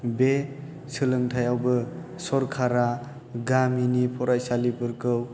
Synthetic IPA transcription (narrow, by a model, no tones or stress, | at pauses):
be | sɯlɯŋtʰajawbɯ | sɔɾkʰaɾa | ɡaminipʰɔɾajsalipɯɾkɯw